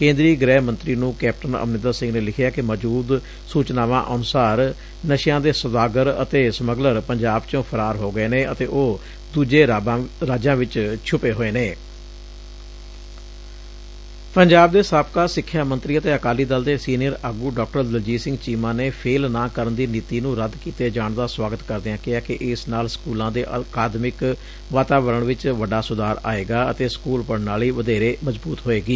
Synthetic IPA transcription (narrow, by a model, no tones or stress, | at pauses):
kẽːnd̪ɾiːɡɾɛːɦmə̃nt̪ɾiːnũːkɛːp̚ʈənə̰mnɪnd̪əɾsɪ̃ŋɡneːlɪkʰjaːkɪməd͡ʒuːd̪ | suːt͡ʃnaːʋã̰ːʔənʊsaːɾ | nəʃɪjãːd̪eːsəd̪aːɡəɾə̰t̪eːsəməɡləɾpəɲd͡ʒaːbt͡ʃõːpʰəɾaːɾɦoːɡəeːneːət̪eːʔoː | d̪uːd͡ʒeːɾaːd͡ʒãːʋɪt͡ʃt͡ʃʰʊpeːɦoːeːneː | pəɲd͡ʒaːb̚d̪eːsaːpkaːsɪkʰːjaːmənt̪ɾiːət̪eːəkaːliːd̪əld̪eːsiːnɪjəɾəɡuːɖɔːk̚ʈəɾd̪əld͡ʒiːsɪ̃ŋɡt͡ʃiːmãːneːpʰeːlnãːkəɾənd̪iːniːt̪iːnũːɾəd̪kiːt̪eːd͡ʒaːɳd̪aːswaːɡət̪kəɾd̪eãːkɪaːkɪʔɪsnaːlskuːlãːd̪eːʔkaːd̪mɪk | ʋaːt̪aːʋəɾəɳʋɪt͡ʃʋəɖaːsʊd̪aːɾa̰ːeːɡaːət̪eːskuːlpəɽnaːliːʋəd̪eːɾeːməzbuːt̪ɦoːeːɡiː